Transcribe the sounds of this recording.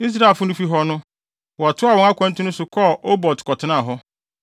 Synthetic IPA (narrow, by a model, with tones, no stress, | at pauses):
i˦s̬ɾa˦˨e˨lfʊ˦nʊ̃˦fi˦ɦɔ˦nʊ̃˦ | wɔ˨a˨tʰʊ˦a˨wɔ̃˨˦a˦kʷʰã˦n̩˦tʰʊ̃˦nʊ̃˦sʊ˨kʰɔ˦˨ʔo˦bɔ˨tʰkʰɔ˨tʰɪ˨˦nã˦˨ɦɔ˦